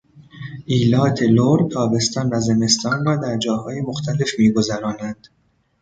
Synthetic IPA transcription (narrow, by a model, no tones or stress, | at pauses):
ʔiːlɒːt̪ʰe̞loɾt̪ʰɒːbe̞st̪ɒːnvæze̞me̞st̪ʰɒːnrɒːd̪æɾd͡ʒɒːhɒːje̞moxt̪ʰæle̞fmiːɡo̞zæɾɒːnænd̪̥